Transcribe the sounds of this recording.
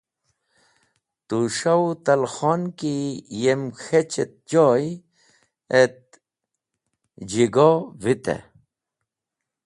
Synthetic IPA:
t̪uʂawt̪ɐlxɔnkijemxet͡ɕet̪̚d͡ʑɔj | et̪̚ | d͡ʑiɡɔvit̪ḛ

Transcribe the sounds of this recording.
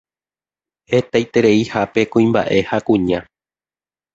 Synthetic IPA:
he̞t̪ajt̪e̞ɾe̞ihape̞kũĩmba̰ʔe̞hakũɲã

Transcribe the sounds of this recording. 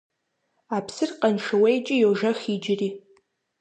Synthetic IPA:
apʰsɨrqʼanʂʰawejt͡ʃʼɪjoʐɐxid͡ʒri

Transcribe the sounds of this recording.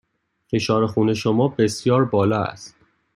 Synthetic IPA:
fe̞ʃɒːɾe̞xuːne̞ʃomɒːbe̞sjɒːɾbɒːlɒæ̰st̪

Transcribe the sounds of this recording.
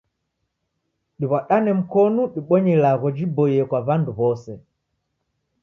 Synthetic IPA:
ɗiβaɗanɛm̩kɔnuɗiɓɔɲɛlaɣɔd͡ʒibɔjɛkwaβanduβɔsɛ

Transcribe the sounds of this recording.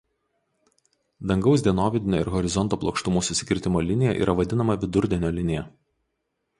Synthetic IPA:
d̪ɐŋɡɒʊsd̪ʲiɛnoːʋʲɛd̪ʲɪnʲoːɪ̰ɾɣɔɾʲɪzɔnt̪oːplˠɔːkʃt̪ʊmuːsʊsʲɪ̥kʲɪɾʲt̪ʲɪmoːlʲɪnʲɪjɛ̰ʔḭːɾɐʋɐd̪ʲɪnɐmɐʋʲɪd̪ʊɾʲd̪ʲɛnʲoːlʲɪnʲɪjɛ

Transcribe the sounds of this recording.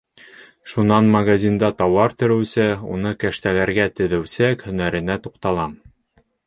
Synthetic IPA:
ʃunɑnmɐɡazʲind̪ɑt̪ɑwɑɾt̪ɵ̆ɾɘ̆wsɘṵnɤkæʃt̪ælæɾɡæt̪ɘ̆ðɘ̆wsækhɵ̆næɾɘ̆næt̪uqt̪ɑlˠɑm

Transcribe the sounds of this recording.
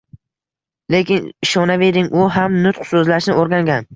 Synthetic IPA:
le̞kʲɪnɪʃɒnave̞ɾɪŋʔʊɦamnʊt̪qsɵzlaʃnɪʔoɾɡʲaŋɡʲan

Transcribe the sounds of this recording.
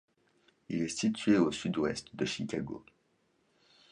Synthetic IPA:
ilɛsit̪ɥeosyd̪wɛ̰st̪d̪əʃikʲaɡo̰

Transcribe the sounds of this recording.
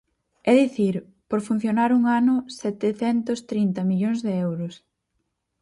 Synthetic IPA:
ɛðiθiɾ | poɾfun̟θjonaɾuŋanʊsɛt̪eθɛnt̪ʊst̪ɾint̪ɐmiʎoŋzðɪɛwɾʊs

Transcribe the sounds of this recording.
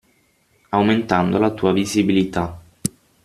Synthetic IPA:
awment̪and̪olat̪uːavizibilit̪a

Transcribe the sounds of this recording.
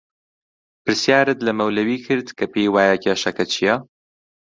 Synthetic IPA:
pɨɾsjaːɾɨt̪lɐmɐwlɐwiːkʰɨɾd̪kʰɐpejwaːjɐcʰeːʃɐkɐt͡ʃʰijɐ

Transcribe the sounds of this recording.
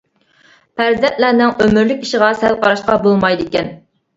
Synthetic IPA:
pʰæɾzɛnt̪lænɪŋømyɾlykʲiʃɪʁɑsɛlˠqʰɑɾɑʃqɑbolˠmɑjd̪ɪkʲɛn

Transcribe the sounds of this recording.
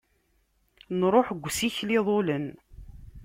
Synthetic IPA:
nɾˤoħɡʷːsiçlɪðˤolən

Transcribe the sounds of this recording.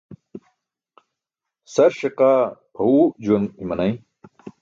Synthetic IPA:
sɐɾɕeqaːpʰɐud͡ʑuɐnimɐnɐj

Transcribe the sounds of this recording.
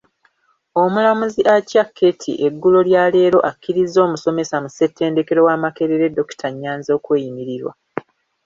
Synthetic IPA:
o̞mulamuziʔacakʰːe̞tʰḭʔe̞ɡːulo̞ljaːle̞ːɾo̞ʔakːiɾizːo̞ːmuso̞me̞samuse̞tːe̞ːnde̞ke̞ɾo̞waːmake̞ɾeɾe̞dːo̞ki̥tʰaɲːaːnzo̞ːkwe̞ːjimiɾiɾwa̰

